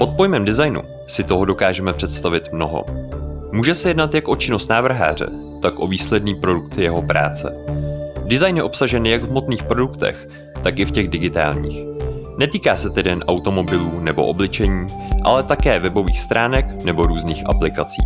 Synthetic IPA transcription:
pot̪̚po̞jmɛmdɪzajnṵ | sɪt̪o̞ɦo̞do̞kaːʒɛmɛpr̥ɛt̪st̪avɪt̪mno̞ɦo̞̰muːʒɛsɛjɛdnat̪jakʔo̞t͡ʃɪno̞st̪naːvr̩ɦa̰ːr̝ɛ̰ | t̪akʔo̞viːslɛdniːpɾo̞dukt̪ɪjɛɦo̞pɾa̰ːt͡sɛ̰ | dɪzajnjɛʔo̞psaʒɛnjaɡvmo̞t̪niːxpɾo̞dukt̪ɛ̰x | t̪akɪfcɛɣdɪɡɪt̪a̰ːlɲḭːxnɛt̪iːkaːsɛt̪ɛdɛnʔawt̪o̞mo̞bɪluːnɛbo̞̰ʔoblɪt͡ʃɛɲiːʔa̰lɛt̪akɛːvɛbo̞viːxst̪ɾʔaːnɛknɛbo̞ɾuːzniːxʔa̰plɪkat͡sḭː

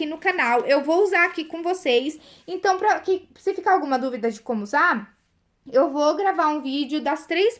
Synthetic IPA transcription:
inʊkanawʔewvowuzaɾakikõvosejs | ẽnt̪ɐ̃w̃pɾɐkɪ | sɪfikaawɡũmɐd̪uvid̪ɐd͡ʒɪkõmʊːzaɾ | ewvoɡɾavaɾũvid͡ʒɪʊd̪ɐst̪ɾejs

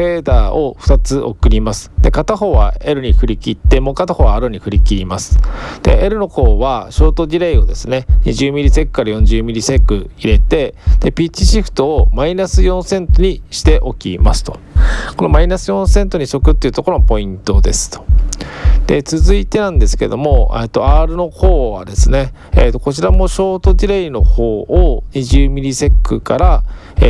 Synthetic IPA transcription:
ɸe̞ːd̪aːo̞̰ɸɯ̟̥t̪at͡sɨʔo̞kɯ̟ɾʲimasɨ̥d̪̥e̞kat̪aho̞ːβae̞ɾɯ̟ɲ̟ihɯ̟ɾʲikʲit̪ːe̞mo̞kat̪aho̞βaaɾɯɲ̟iɸɯ̟ɾʲikʲiɾʲimasɨ̥d̪̥e̞̰eɾɯ̟no̞ko̞ːβaɕo̞ːt̪o̞d͡ʑiɾeio̞d̪e̞sɨne̞ɲʲiʑɨːmʲiɾʲise̞kɯ̥kaɾajõ̞ɲ̟d͡ʑɨːmʲiɾʲisekɯ̟iɾe̞t̪e̞d̪̥e̞pʲit͡ɕiɕiɸɯ̟̥t̪o̞ːmainasɨjõ̞ɰ̃sẽ̞nt̪o̞ɲ̟iɕi̥t̪e̞ʔo̞kʲḭmasɨ̥t̪o̞̥ | ko̞no̞mainasɨjõ̞ɰ̃sẽ̞nt̪o̞ɲ̟iso̞kɯ̟t̪ːeiɯ̟t̪oko̞ɾopo̞ĩnt̪o̞d̪e̞sɨ̥t̪o̥ | d̪̥e̞t͡sɨzɨit̪e̞nãnd̪e̞sɨ̥ke̞̰d̪o̞mo̞et̪ːo̞aːɾɯ̟no̞ho̞ːβa̰d̪e̞sɨne̞ | eːt̪ːoko̞t͡ɕiɾamo̞ɕo̞ːt̪o̞d͡ʑiɾeino̞ho̞ːoɲ̟iʑɨːmʲiɾʲise̞kːɯ̟̰kaɾa | e

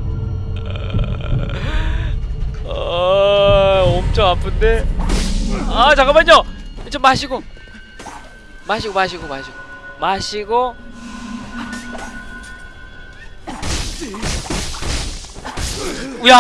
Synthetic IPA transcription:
ʌ | omt͡ɕʰoŋapʰɯnde | at͡ɕaɡamaɲʌit͡ɕʰomːaɕʰiɡo | maɕʰiɡomaɕ̬ʰiɡomaɕʰiɡo | maɕʰiɡo | ja

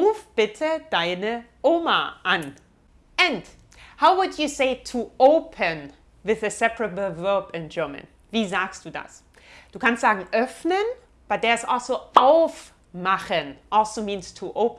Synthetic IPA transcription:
uːfb̥ɪtʰəd̥aɪnə | ʔoːmaʔãn | ɛ̃nd | haʊwʊdjuseɪtʰuoʊpʰə̃n | wɪðəsɛpəɹəbl̩ˠvɜːpɪ̃nd͡ʒɜːmə̰̃n | viːzaːksd̥uːda̰s | d̥uːkʰãnstz̥aːɡŋ̩ʔœfnən | b̥at̚d̥ðɛsɔlˠsoaʊf | maχə̃nʔɔlsoːmĩːnstʰuʔoʊp

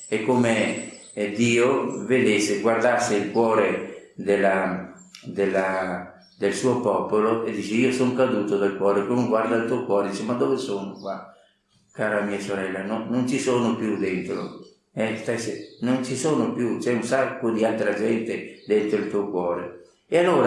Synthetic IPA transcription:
ekːome | d̪iːoved̪esːeɡward̪asːeilkwɔːɾed̪elːa | d̪elːa | d̪elsuːopɔpoloed̪ːiːt͡ʃeiːosoŋkad̪uːt̪od̪alkwɔːɾekonoɡward̪ailt̪uokwɔːɾed̪it͡ʃemad̪ːovesoːnokwa | kaːɾamiːasoɾɛlːanonont͡ʃisoːnopjud̪ent̪ɾo̰ | ɛst̪ajsenont͡ʃisoːnopjut͡ʃɛunsakːod̪ialt̪ɾad͡ʒɛnt̪ed̪ɛnt̪ɾoilt̪uːokwɔːɾe | ealːoːɾa

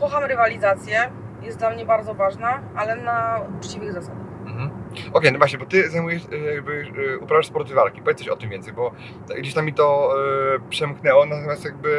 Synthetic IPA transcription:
kɔxamɾɘvalʲizat̪sʲjɛ | jɛst̪lamɲɛbaɾd̪zɔvaʐnaalɛnaut͡ʂt͡ɕivɘɣzasad̪axm̩ɦm̩ɔkʲejnɔvwaɕɲɛbɔt̪ɘzajmujɛʂjaɡ̚bɘupɾavaʂspɔɾt̪ɨvalkʲipɔvjɛt̪ḁʂɔt̪ɪmvʲɛnsɛjbɔ | ɡd͡ʑeɕt̪amʲːit̪ɔ | pʂɛmknɛwɔnat̪ɔmʲjast̪jaɡ̚bɘ

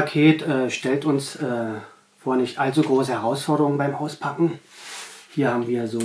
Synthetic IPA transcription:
akʰeːtʔɛːʃtɛltʊnsʔɛː | foːɐnɪçtʔalt͡suɡʁoːsəhɛʁaʊsfɔɐɾəʁʊŋənbaɪmʔaʊspʰakŋ̩ | hiːɐhaːbm̩viːɐzoː

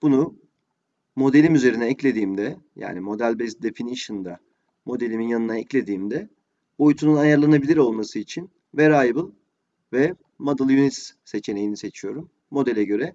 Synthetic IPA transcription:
b̥unu | mo̞d̪eimyze̞ɾinɛːclʲe̞d̪iːmd̪ɛja̰ːnimo̞d̪ælʲbɛzd̪e̞finiʃɯnd̪a | mo̞d̪e̞lʲiminjanɯnaɛclʲe̞d̪iːmd̪ɛ | bo̞jut̪ʰununajaɾlˠanabilʲiɾo̞lˠmasɯit͡ʃʰin | vɛɾajbɯlˠ | vɛ | mad̪ɯlˠjunit̪sse̞t͡ʃʰene̞jinise̞t͡ʃʰijo̞ɾumːo̞d̪elʲɛɟø̞ɾɛ

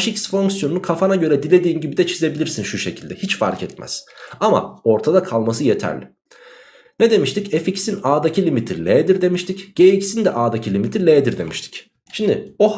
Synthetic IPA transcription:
ʃicsfo̞ŋksjo̞nunukʰafanaɟø̞ɾɛd̪ilʲe̞d̪iːnɟibid̪ɛt͡ʃʰize̞bilʲiɾsinʃuʃe̞cʰilʲd̪ɛhit͡ʃfa̰ɾcʰɛt̪mæ̰z̥ama̰o̞ɾt̪ʰad̪akʰalˠmasɯjet̪ʰæ̰ɾlʲɪ | ned̪e̞miʃt̪iceficsinaːd̪acʰilʲimit̪ʰiɾlʲeːd̪iɾd̪e̞miʃt̪ʰicɟ̥eicsind̪ɛʔaːd̪acʰilʲimit̪ʰilʲeːd̪iɾd̪emiʃt̪ʰi̥c | ʃimd̪ɪo̞

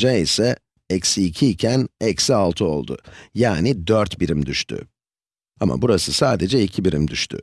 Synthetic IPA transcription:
d͡ʒɛisɛ | ɛcsiːcʰiːcʰænɛcsialˠt̪ʰɯo̞lˠd̪ʊ̰jaːnid̪øɾt̪biɾimd̪yʃt̪ʰy̰ | amʔa̰buɾasɯsaːd̪e̞d͡ʒɛicʰibiɾimd̪yʃt̪ʰy̰

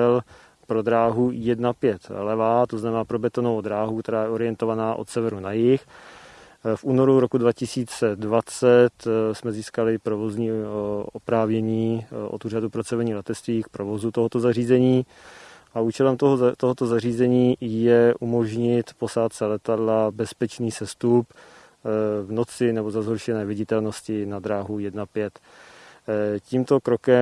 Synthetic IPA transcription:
ɛl | pɾo̞d̪ɾaːɦujɛdnapjɛt̪lɛvat̪o̞znamɛnaːpɾo̞bɛt̪onovod̪ɾaːɦukt̪ɛɾaːjɛo̞ɾɪjɛnt̪o̞vanaːʔo̞t̪sɛvɛɾunajɪx | fʔuːno̞ɾuɾokudvacɪsiːt͡sɛdvat͡sɛt̪smɛziːskalɪpɾovo̞zɲiːopɾaːvɲɛɲiːʔo̰t̪uːr̝adupɾot͡sɛvɛɲiːlɛt̪ɛt͡st̪viːk̚pɾovo̞zut̪oɦot̪o̞zariːzɛɲiː | ʔauːt͡ʃɛlɛmt̪oɦt̪oɦot̪o̞zariːzɛɲiːjɛʔumo̞ʒɲɪt̪po̞saːt̪sɛlɛt̪adlabɛspɛt͡ʃniːsɛst̪up | vno̞t͡sɪnɛbozazɦoɾʃɛnɛːvɪɟɪt̪ɛlno̞scɪnad̪ɾaːɦujɛdnapjɛt̪ | ciːmt̪o̞kɾo̞kɛ

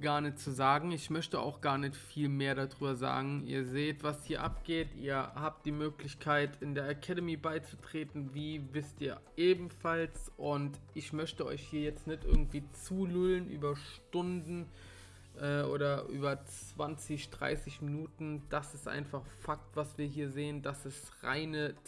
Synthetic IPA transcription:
ɡ̥aːɐnɛt͡suzaːɡŋ̩ɪçmœçtəa̰ʊxɡ̥aːɐnɛçtfiːlmeːɐɾadʁyːbɐza̰ːɡŋ̩ḭːɐzeːtv̥ashiːɐʔap̚ɡ̥eːtḭːɐhaːp̚t̚d̥iːmøːklɪçkʰaɪtʰɪndeːɐʔakʰɛdəmiːbaɪt͡sutʁ̥eːtn̩viːvɪstʔiːɐʔeːbm̩falsʔʊntʔɪçmœçtəɔ̰ʏçhiːɐjɛt͡stnɪçtʔɪ̰ɐɡŋ̩tv̥iːt͡suːlulənʔyːbɐʃtʊndn̩ | ʔɛːʔo̰ːɾɐʔy̰ːbɐt͡s | v̥ant͡sɪçd̥ʁa̰ɪsɪçminuːtn̩d̥asɪstʔa̰ɪnfaχfak̚tv̥asv̥iːɐɦiːɐzeːəndasɛstʁa̰ɪnə

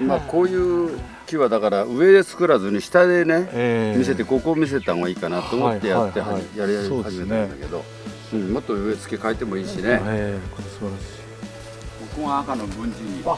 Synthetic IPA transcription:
mako̞ːjɯː | kʲiβad̪akaɾaɯ̟e̞d̪e̞t͡sɨ̥kɯ̟ɾazɨɲ̟iɕi̥t̪ad̪e̞ne̞mʲis̬e̞t̪e̞ɡo̞koːmʲis̬e̞t̪anoɡaiːkanat̪ːo̞ːmo̞t̪ːe̞jat̪ːehajaɾihaʑime̞t̪ãnd̪a̰ke̞d̪o̞̰ | ɯ̟̃ɴmo̞t̪ːoɯe̞t͡sɨ̥kʲe̞kait̪e̞mo̞iːɕine̞ | bokɯŋãakanobɯ̟̃ɲd͡ʑiɲi

